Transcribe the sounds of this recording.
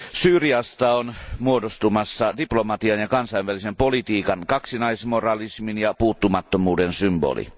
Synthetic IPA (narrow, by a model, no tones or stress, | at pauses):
syːriɑst̪ɑonmuodost̪umɑsːɑdiplomɑt̪iɑnjɑkɑnsɑiʋʋælisempolit̪iːkɑnkɑksinɑismorɑlisminjɑpuːt̪ːumɑt̪ːomuːdensymbo̰lḭ